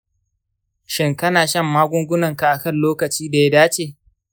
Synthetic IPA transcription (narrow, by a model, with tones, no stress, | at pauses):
ʃɪ˦ŋkɐ˦naː˨ʃɐ˦mːaː˦ɡʷʊ˦ŋɡʷʊ˦nɐ˨ŋka˨ʔa˨kɐ˦˨nloː˦kɐ˨t͡ʃiː˦da˨ja˦daː˦t͡ʃeː˨